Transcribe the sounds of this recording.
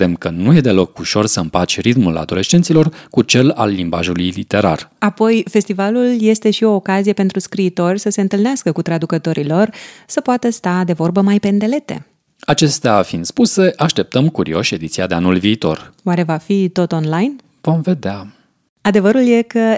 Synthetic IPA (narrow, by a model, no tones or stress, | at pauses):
d̪emkənuje̞d̪e̞lo̞kuʃo̞rsəɨmpat͡ʃʲrit̪mula̰d̪o̞le̞ʃt͡ʃe̞nt̪silo̞rkut͡ʃe̞la̰lːimbaʒulujlit̪e̞ɾa̰rapo̞jfe̞st̪ivalulje̞st̪e̞ʃio̞ːkazijepe̞nt̪ɾuskɾiːt̪o̞rʲsəse̞ɨnt̪ɨlneaskəkut̪ɾad̪ukət̪o̞ɾilo̞rsəpoat̪əst̪ad̪e̞vo̞rbəmajpe̞nd̪e̞le̞t̪e̞̰ | at͡ʃe̞st̪eafind̪spuse̞ʔaʃt̪e̞p̚t̪əmkuɾḭo̞ʃe̞d̪it̪siad̪e̞anulviːt̪o̞̰roaɾe̞vafit̪o̞t̪o̞nlajn | vo̞mve̞d̪ea | ad̪e̞vəɾulje̞kə